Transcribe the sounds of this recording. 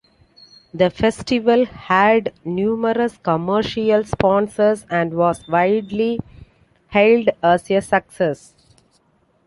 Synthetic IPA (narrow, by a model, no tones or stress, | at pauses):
d̪əfesʈɪʋəlhæɖnjuːməɾəskɔməːɾʃiəlspɔ̃ːnsəɾsæ̃ɳɖʋɔːzʋaɪɖli | hɛlɖəːsiəsəkses